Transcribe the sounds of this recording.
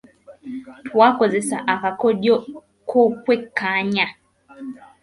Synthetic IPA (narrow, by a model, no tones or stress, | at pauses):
tʰwakɔzɛsaʔakakɔɗjɔ | kʰɔkwɛkaɲa